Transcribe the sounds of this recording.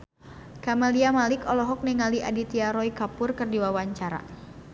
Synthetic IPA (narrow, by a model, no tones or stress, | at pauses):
kamaliamalɪkɔlɔɦɔk̚nɛŋaliʔadit̪iaɾɔikapʊrkərdiwawaɲt͡ʃaɾa̰